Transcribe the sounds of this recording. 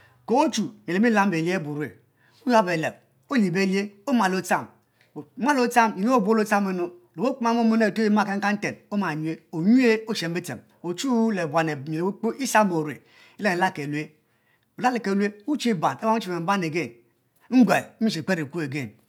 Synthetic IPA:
ko˨o˦t͡ʃu˨m˨e˨le˨m˦i˦la˦m˦be˨li˦e˦bu˨ɾu˦e˨ | u˦ja˦be˨le˨b | o˦li˨be˦˨li˦e˦o˦ma˨lo˦t͡sa˦˨m˨˦ | ma˦lo˦t͡sa˦˨m˨ɲ˦o˦˨bʷo˦lo˦t͡sa˦me˦no˦lo˨o˦k͡pma˦m˦o˦mo˦ne˦˨to˦ji˦ma˦˨ke˦ŋ̩˦a˦n̩˦te˨no˦ma˨ɲ˦e˦o˨ɲu˦e˦o˦t͡ʃe˨m˦be˦tḛ˨m | o˨t͡ʃu˦le˨ba˨ne˨e˨le˨˦k͡po˦ʔi˦sa˦mo˨ɾḛ˨ | i˦le˦e˨la˦ke˨lu˦e˦ | u˨la˦le˨ke˨lu˦e˦u˦t͡ʃi˦ba˨ne˦wa˦t͡ʃi˨e˨m̩˦ba˦ne˨ɡe˦˨n | ŋ̩˦ɡʷa˨˦mi˦ʃ̬i˨k͡pe˦ɾe˨ku˦e˨ɡe˦˨n

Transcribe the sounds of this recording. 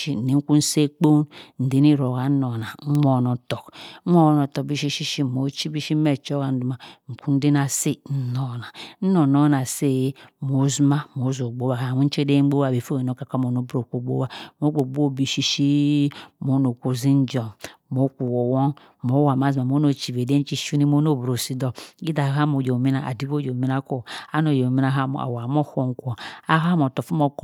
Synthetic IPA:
i˦n̩˨i˨ŋ̩˦ku˦n̩˦se˦k͡po˦nn̩˨di˨˦ni˦˨ɾo˨ɣa˨n̩˦no˨na˨˦o˦˨no˨to˨k̩ʷ˦o˦no˨to˨k̚bi˦ʃi˦ʃi˦ʃi˦˨mo˨˦t͡ʃi˦bi˦ʃi˦me˦t͡ʃo˦ɣa˨n̩˦du˨ma˨ŋ̩˨ku˦n̩˦di˦na˨si˦n̩˨no˨na˨n̩˦no˨no˦na˨se˦˨˦mo˨˦zma˦˨mo˨˦zo˨ɡ͡bo˦ba˨ka˨wʷu˦n̩˦t͡ʃe˦de˦ŋ͡m̩˦ɡ͡bo˦wa˦˨be˨fo˦e˨no˦˨ka˨ka˦mo˨no˨˦bɾo˨ko˨ɡ͡bo̰˦wa˦mo˨˦ɡ͡bo˨ɡ͡bo˦˨bi˨ʃi˦ʃi˦mo˨˦no˨kʷo˨zi˦n˦d͡ʒɔ˨mo˨˦kʷu˨wo˨wɔ˦n | mo˨˦wa˨ma˦zma˨mo˨˦no˨t͡ʃi˨ve˨de˦t͡ʃi˦ʃu˦ni˦mo˦no˦˨bɾo˨si˦dɔ˦i˦da˨ɦa˦mo˨d͡ʒo˨mi˦na˨ʔa̰˨di˦bo˦jo˨mi˦na˦ko˦˨a˦no˨jo˨mi˦na˦ɦa˦mo̰˨a̰˨wa˨m˦o˦ho˦ŋ˦kʷɔ˨a˦ɦa˦mo˨tɔ˨fu˦mo˦k

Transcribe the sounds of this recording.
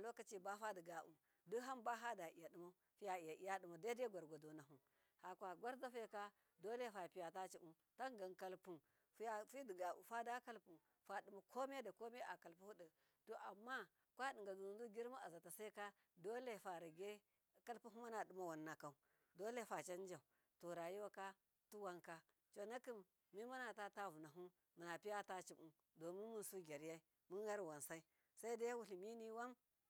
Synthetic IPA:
a˨lo˦ka˦t͡ʃi˦ba˦fa˦di˨ɡa˨ʔṵ˨ | du˦ɦa˦mba˦ɦa˦da˨i˨ja˨di˨ma˦ | fi˦ja˨i˨ja˨i˨ja˦ɗi˨ma˨da˦de˦ɡʷa˨ɾɡʷa˨do˨na˨ɦu˨ | ha˨kʷa˨ɡʷa˦ɾza˦fe˦ka˦ | do˦le˦˨fa˨pi˨ja˨ta˦t͡ʃi˦ʔu˦ | ta˦ŋ˦ɡa˨nka˦lpu˨n | ffi˦di˨ɡa˨ṵ˨fa˦da˦ka˦lpu˨ | fa˨di˨ma˨kʰo˦me˦da˨ko˦me˦a˨ka˨lpu˦hu˦də˨ | to˨ʔa˨mːa˦ | kʷa˦di˨ŋɡa˨du˨ndu˦ɡʲi˦ɾmu˦a˨za˨ta˨sa˦i˦ka˦ | do˦le˨fa˨ɾa˨ɡe˦ | ka˦lpu˦ɦu˦ma˦na˨du˦ma˦wa˨nːa˨ka˦u˦ | do˦le˦˨fa˨t͡ʃa˦n˦d͡ʒa˨u˨ | to˨ɾa˨ji˦wa˦ka˦ | tu˦wa˦ŋka˦ | t͡ʃo˨na˦ki˦mː | i˦ma˦na˨ta˦ta˦vu˨na˨ɦu˦ | mu˨na˨pi˦ja˦ta˦t͡ʃi˨mu˦ | do˨mi˦mu˦nsu˦ɡʲe˨ɾja˦i˦ | mu˦n˦ɡa˦ɾwa˨nsa˦i˦ | sa˦i˦da˦ja˦wu˨ɬi˨mi˦ni˦wa˦m

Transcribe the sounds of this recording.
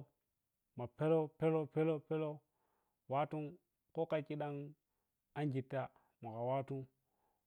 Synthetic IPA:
ma˨pe˦lo˦pe˦lo˦pe˦lo˦pe˦lo˦ | wa˦tu˦ŋ | ko˦ka˦ki˦ɗa˦ŋ | a˦nɡi˨tːa˦ | ma˨ka˨wa˦tu˦

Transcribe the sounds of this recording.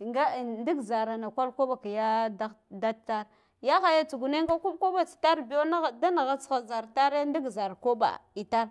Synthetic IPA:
ŋɡa˦˨ndi˦ɡza˨ɾa˨na˨kʷa˦lko˦ɓa˨ka˨ja˦da˦ | da˦ta˦ɾ | ja˦xa˨ja˦t͡su˨ɡu˨ne˦ŋɡa˦ku˦mko˦ba˦t͡si̥˨ta˦ɾbi˨jo˦na˦˨da˦na˨ɣa˦t͡sxa˨za˨ɾta˦ɾe˦ndi˦ɡza˨ɾko˦ɓa̰˨i˨ta˦ɾ

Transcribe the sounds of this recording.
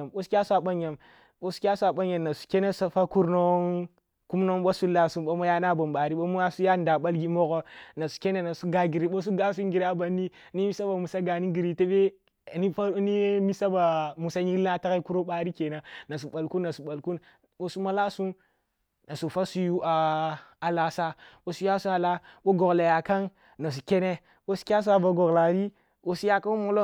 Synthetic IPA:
mɓo˦skʲa˦su˦a˨ɓa˦nja˨m | ɓo˦su̥˦kʲa˦su˦a˨ɓa˦ɲja˨nna˨su̥˨ke˦ne˦sa˦fa˦ku˦ɾno˦n | ku˦mno˦ŋɓo˦su˦la˦su˦ɓo˦mo˦ja˦na˦ba˨mɓa˨ɾi˦ɓo˦mu˦ja˦su˦ja˦nda˨ɓa˦lɡi˦mo˦ɣo˦na˨su̥˨ke˦ne˨na˨su˦ɡa˨ɡi˨ɾi˨ɓo˦s̬u˦ɡa˦s̬u˦ŋ˦ɡi˨ɾa˦ba˨nːi˦ | ni˦mi˦sa˦ba˨mu˨sa˦ɡa˨ni˦ɡi˨ɾi˨te˦ɓe˦˨ | ni˦fa˦ni˦mi˦sa˦ba˨mu˨sa˦ɲi˦kla˦ta˦ɣa˦i˦ku˦ɾo˦ɓa˦ɾi˦ke˨na˨na˨s̬u˨ɓa˨lku˦nːa˨su˨ɓa˨lku˦n | ɓo˨su˦ma˦la˦su˦n | na˨su˨fa˦su˦ju˦aː˨la˨sa˦ɓo˨su˦ja˦su˦a˨la˦ɓo˦ɡo˨ɡla˨ja˨ka˦n | na˨s̬u˨kʲe˦ne˦ | ɓo˦su̥˦kʲa˦s̬u˦a˨ba˨ɡo˨ɣla˨ɾi˦ | o˨su˦ja˦ka˦mo˨˦lo˦

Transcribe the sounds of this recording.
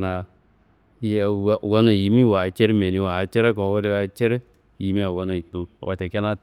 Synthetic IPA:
na˨ | jwo˦na˨ji˨˦mi˦wa˨t͡ʃe˦ɾme˨ni˨wa˨t͡ʃe˦ɾe˦kɔ˨˦wo˦ɾe˦wa˨t͡ʃe˦ɾe˦ | ji˨mi˦a˨wo˦na˨i˨to˨wa̰˨te˨ke˦na˦

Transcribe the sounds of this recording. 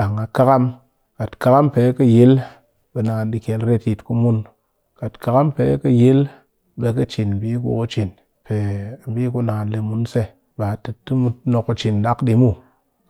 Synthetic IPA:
ɗa˨ŋa˨ka˦ka˦m | ka˨tka˦ka˦mpe˨˦kə˦je˦l | ɓe˨na˨nɗi˧kʲe˨lɾe˦ti˧tku˧mu˦n | ka˨tka˦ka˦mpe˨˦kə˦je˦l | ɓe˧kə˦t͡ʃi˨n̩˨bi˦k̬ṵ˦o˦t͡ʃi˨n | pe˨bi˦ku˧˦na˨nli˧mu˨nse˦ | ɓa˨tɨ˨tːɨ˦mu˦no˧ku˧t͡ʃi˨n˨da˦kɗi˧mu˦

